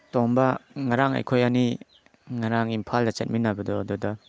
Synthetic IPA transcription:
tombɐŋaɾaŋa̰jkʰojani | ŋaɾaŋimpʰaldɐt͡ʃet̚minːabɐdɔdɔdɔ

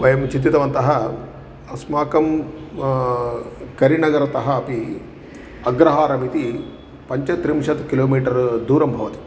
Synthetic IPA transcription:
ʋɐjɐmt͡ʃint̪ːit̪ɐʋɐnt̪ɐɦɐ | ɐsmaːkɐm | kɐɾinɐɡɐɾɐt̪ɐɦɐːpi | ɐɡɾɐɦaːɾɐmit̪i | pɐɲt͡ʃɐt̪ɾimʃɐt̪kiloːmiːʈɐɾd̪uːɾɐmbʱɐʋɐt̪i̥

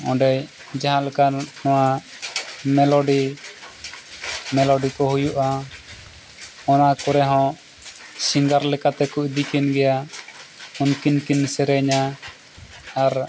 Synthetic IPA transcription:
ɔ̃ɖɛj | d͡ʒaɦãlɛkanɔwa | mɛlɔɖi | mɛlɔɖikɔɦujuʔa | ɔnakɔɾɛɦɔ̃ | siŋɡaɾlɛkat̪ɛkuʔd̪ikinɡɛja | unkinkinsɛɾɛɲa | ɾ

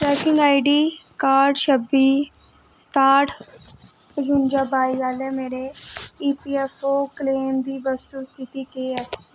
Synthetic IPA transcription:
ɾɛːkɪ̃ŋaːiɖiːkaːɾɖʃəbiː | st̪aːʈʰ | əd͡ʒʊnd͡ʒaːbaːiʋaːlɛːmeːɾeiːpiːɛfoːkleːmd̪iːbəsʈ̪uːst̪ʰɪt̪iːkeɛs

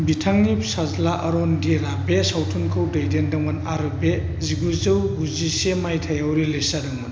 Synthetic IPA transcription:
bitʰaŋnip̚sazlaʔɐɾɔndiɾabesawtʰunkʰɯwdɐjdendɐŋmanaɾɯbe | ziɡuzɯwɡuzisemajtʰajawɾilesadɐŋɔn

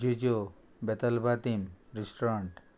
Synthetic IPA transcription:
d͡ʒid͡ʒo | bet̪albat̪imɾisʈoɾaɳʈ

